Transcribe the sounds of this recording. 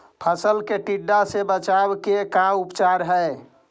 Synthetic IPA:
pʰəsəlkeʈiɖːasebət͡ʃawkekaupt͡ʃaɾɦɛe

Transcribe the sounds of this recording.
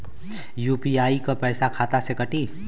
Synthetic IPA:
juːpiaːikapɛːsakʰaːt̪asekəʈiː

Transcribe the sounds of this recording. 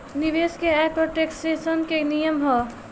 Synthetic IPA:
niʋeːskeapɾoʈeksʈesənkenijəmɦɔ

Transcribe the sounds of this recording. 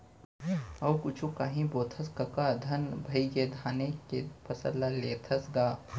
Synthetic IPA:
ɐwkʊt͡ʃʰũkaːɦĩboːt̪ʰɐskɐkad̪ʱɐnbʱɐiɡed̪ʱaːnekepʰɐsəlːaleːt̪ʰɐsɡaː

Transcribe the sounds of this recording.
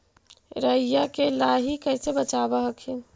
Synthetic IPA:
ɾəjakelaɦikɛːsebət͡ʃaːbaɦəkʰi

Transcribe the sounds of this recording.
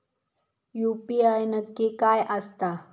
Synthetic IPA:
jupiajnəkːikajʔast̪a

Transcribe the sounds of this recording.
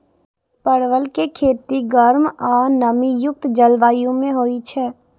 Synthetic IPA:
pəɽʋəlkekʰeːt̪iɡəɾmɔnəmijʊk̚t̪d͡ʒəlʋaːijõmẽɦoːit͡ʃʰɛː

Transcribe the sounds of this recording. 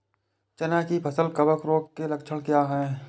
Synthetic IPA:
t͡ʃɐnakipʰɐsəlkəbəkɾoːkːelɐkt͡ʃʰəɽ̃kjaːɦɛ̃ː

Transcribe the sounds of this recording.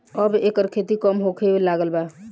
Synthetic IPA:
əbekəɾkʰet̪ikəmɦokʰebelaɡəlba

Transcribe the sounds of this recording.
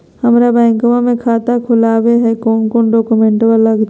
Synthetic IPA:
həmɾabɛ̃ːŋkmãmẽkʰaːt̪akʰʊlaːweɦɛkɔːnkoːnɖɔːkumẽɳʈbəlləɡd͡ʒ

